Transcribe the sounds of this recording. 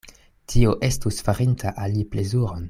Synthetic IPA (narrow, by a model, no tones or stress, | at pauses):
tʰioʔe̞stusfaɾintʰaʔaliple̞zuɾo̞n